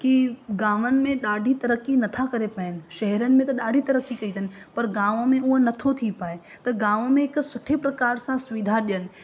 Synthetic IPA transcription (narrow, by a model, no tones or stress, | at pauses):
kiɡaːʋənɪ̆mẽɗaːɖʱit̪ɐɾəkinɐt̪ʰakɐɾepɐɪnɪ̆ʃɐɦɛɾənɪ̆mẽt̪ɐɗaːɖʱit̪ɐɾəkikɐit̪ʰənɪ̆pɐɾɡãːʋmẽʊɦnɐt̪ʰot̪ʰipaːe | t̪ɐɡãːʋmẽɪksʊʈʰepɾɐkaːɾsãsʊʋid̪ʱaɗijənɪ̆